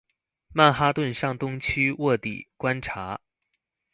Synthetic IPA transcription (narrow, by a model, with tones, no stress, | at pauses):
ma˥˩nxa˥t̪wə˥˧nʂɑ˥˩ŋt̪ʊ˥ŋt͡ɕʰy˥wɔ˥˩t̪ḭ˨˩kwa˥nʈ͡ʂʰa˧˥